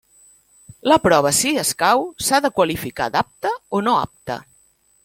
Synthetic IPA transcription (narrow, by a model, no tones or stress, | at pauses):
ləpɾɔβ̞əsiəskawsaðəkwəlifika̰d̪ap̚t̪əonoa̰p̚t̪ə̰